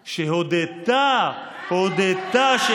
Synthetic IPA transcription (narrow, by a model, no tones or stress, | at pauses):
ʃeɦod̪et̪a | hod̪et̪aʃ